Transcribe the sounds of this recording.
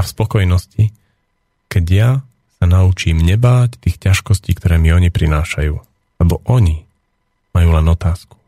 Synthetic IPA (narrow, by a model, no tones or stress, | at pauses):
afspɔkɔjnɔsci | kɛɟja | sanaut͡ʃiːmɲɛbaːct̪iːxcaʃkɔsciːkt̪ɔɾɛːmiɔɲipɾinaːʃajuː | lɛbɔʔɔɲi | majuːlɛnɔt̪aːsku̥